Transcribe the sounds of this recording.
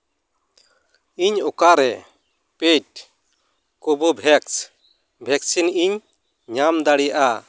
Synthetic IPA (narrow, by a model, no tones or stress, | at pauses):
iɲɔkaɾɛ | peʈ̚ | kububʱɛks | bʱɛksiniɲ | ɲamd̪aɽijaʔa